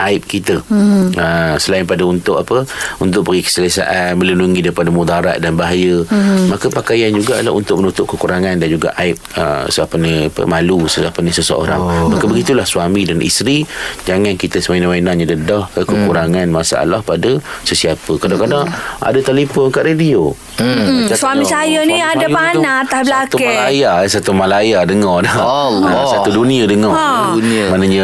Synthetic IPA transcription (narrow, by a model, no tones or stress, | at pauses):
ʔaɪp̚kit̪əəsəlaɪnpadaunt̪ʊʔapəunt̪̬ʊʔ̚bəɣikə̥səlasa̰ʔanmə̃lənuŋidaɾipadamudaɾa̰ʔ̪̚danbaɦajəmakəpakajand͡ʒuɡala̰ʔṵnt̪ʊʔ̚mənut̪ʊʔ̚kəkuɾaŋandand͡ʒuɡa̰ʔaɪp̚ə̰səapəniapə̰malusəapənisəsəo̰ɾa̰ŋmakəbəɡit̪ulahsuamidanḭst̪ɾid͡ʒaŋankit̪əsəmajnawajnaɲadədɔhkəkəkuɾaŋanmasa̰a̰lahpadəsəsiapəkadakadaŋʔa̰dat̪alifɔnkaʔɾedio | asamisajəniadapanat̪ahblak̪umalajasat̪umalajadəŋɔdɔaasat̪uduniadəŋɔ | manaɲa